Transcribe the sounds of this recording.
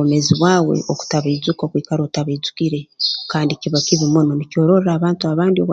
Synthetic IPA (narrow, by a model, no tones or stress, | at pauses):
ome̞ziβwaːwe̞̰ʔoku̥taβaizukakwiːkaɾo̞ːtaβaizu̥kiɾe̞kaːndiciβakiβimono̞nico̞ːɾo̞ɾeɾaːβaːntuaβaːndioβ